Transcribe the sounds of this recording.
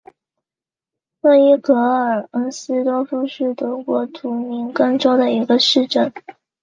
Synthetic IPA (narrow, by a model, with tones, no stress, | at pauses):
fɤ˥˧i˥kɤ˧˥ə˞˨˩ə˥nsɹ̩˥t̪wɔ˥fu˥ʂɻ̩˥˩t̪ɤ˧˥kwɔ˧˥t̪ʰu˧˥mi˧˥ŋkɤ˥˩ŋʈ͡ʂo˥ʊd̪ə˨i˧˥ɡə˧ʂɻ̩˥˧ʈ͡ʂə˥˩n